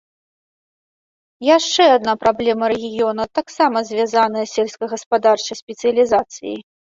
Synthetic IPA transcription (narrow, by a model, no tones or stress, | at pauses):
jaʂt͡ʂɛad̪̚napɾablʲɛmɐɾɛɣʲijɔnɐt̪aksamɐzʲvʲazanɐjɐsʲɛlʲskɐɣɐspad̪art͡ʂɐjsʲpʲɛt̪sɨjɐlʲizat̪sɨ̰jḭ